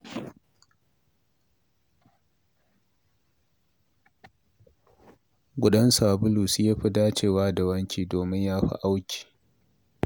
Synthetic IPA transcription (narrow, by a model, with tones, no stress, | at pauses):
ɡʷʊ˨ɗɐ˦nsa˨bʊ˦lu˨sjaː˦ɸi˦daː˦t͡ʃeː˨waː˦da˨wɐ˦ŋkʲiː˨doː˨mɪ˦ɲjaː˦ɸḭ˦ʔa˦wkʲi̥ː˨